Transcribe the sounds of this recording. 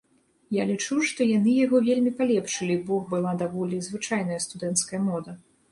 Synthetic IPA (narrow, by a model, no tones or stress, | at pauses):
jalʲit͡ʂuʂt̪ɔjan̪ɨjaɣɔvʲelʲmʲipalʲɛpʂɨlʲibɔɣbɨlˠad̪avɔlʲizvɨt͡ʂajnɐjɐst̪ud̪ɛnt̪skɐjɐmɔd̪ɐ